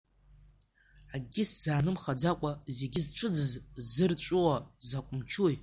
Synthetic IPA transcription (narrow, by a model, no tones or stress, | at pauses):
aɡʲɪsz̥aːnɨmχad͡zakʷʼaze̞ɡʲɪzʈ͡ʂʷʰɨd͡zɨzzɨrt͡ɕʷʼʊwazakʷʼʊmt͡ʃʰuj